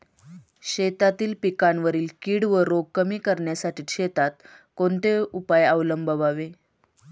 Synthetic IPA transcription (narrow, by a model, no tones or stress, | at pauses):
ɕet̪at̪iːlpikaɳʋəɾiːlkiːɽʋəɾoɡ̚kəmiːkəɾɳjasaʈʰiːɕet̪at̪̚ | koɳt̪eupajaʋləmbəʋaʋe